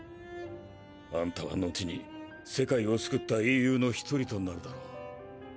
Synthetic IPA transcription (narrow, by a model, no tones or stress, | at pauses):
βãnt̪aβa̰nːo̞t͡ɕiɲ̟ḭ | se̞kaio̞t͡sɨ̥kɯ̟t̪ːaijɯ̟ːno̞çi̥t̪ʰo̞ɾʲit̪o̞nːaɾɯ̟d̪aɾoː